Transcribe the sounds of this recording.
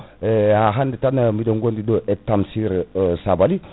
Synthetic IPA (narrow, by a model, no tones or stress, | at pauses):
aɦanditanamidoŋɡondidoʔetːamsiɾsabali